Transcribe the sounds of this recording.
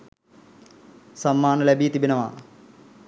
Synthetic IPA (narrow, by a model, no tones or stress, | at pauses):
sɐmːaːnɐlɐbiːt̪ibinɐma̰ː